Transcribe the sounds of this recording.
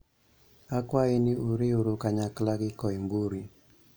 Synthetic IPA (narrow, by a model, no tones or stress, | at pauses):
akwainiuɾiuɾukaɲaklaɡɪkɔimbuɾi